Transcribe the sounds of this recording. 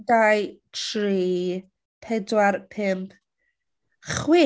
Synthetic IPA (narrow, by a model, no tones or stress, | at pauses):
dajtʰriː | pʰɛdwarpʰɪmpʰ | χwɪ